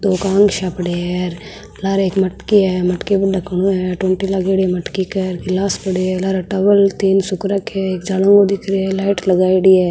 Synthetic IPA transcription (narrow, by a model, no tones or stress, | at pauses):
d̪oːkãːŋɡʃaːpɽeɛɾ | laːɾeːkmɐʈkiɦɛmɐʈkebəɖɐkʰɽ̃ũɦɛʈwəɳʈilaːɡeɽimɐʈkikɛɾkɪlaːspəɽeɛlaːɾʈɐʋəlt̪iːnsʊkɾəkɛeːkd͡ʒaːlõŋɡod̪ɪkʰɾiɛlaːɪʈlɐɡaːiɽiɛː